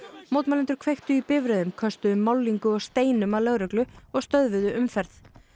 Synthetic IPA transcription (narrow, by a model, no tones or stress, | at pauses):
mowt̪malɛnt̪ʏɾ̥kʰvejxt̪ʏipɪvɾɛðʏmkʰœst̪ʏʏmːawliŋkʏɔɣst̪eːjnʏmalœɣɾʏklʏɔɣst̪œðvɪðʏʔʏmfɛɾθ